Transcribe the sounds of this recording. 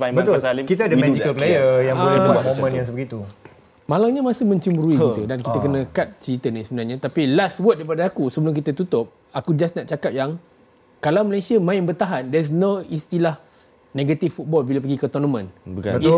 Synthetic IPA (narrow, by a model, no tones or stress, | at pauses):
pãbət̪oalsalɪkit̪adəmɛd͡ʒikəlplejjəjaŋəoaaamomə̃njaŋsəbəɡit̪u | malaŋɲamãsəmə̃ɲt͡ʃumbəɾukikit̪udankit̪akənə̃kat̪̚t͡ʃit̪ənisəbənarɲãt̪apilastwət̪̚daipadaakusəbəlʊmk̬it̪at̪ut̪ʊp̚ | akud͡ʒasnaʔt͡ʃakat̪̚jaŋ | kalawməlesiəmãɪnbərt̪aɦandɛs̬noist̪ilah | neɡat̪ifːut̪̚bɔlbilapəɡikət̪ɔnəmə̃nbəka̰ə